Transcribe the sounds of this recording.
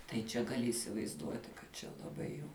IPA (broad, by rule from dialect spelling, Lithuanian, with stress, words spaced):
tɐɪ ˈt͡ʃʲɛ ɡɐˈlʲɪ iːsʲɪʋɐɪzˈduɔtʲɪ kɐt ˈt͡ʃʲɛ lˠɐˈbɐɪ jɛʊ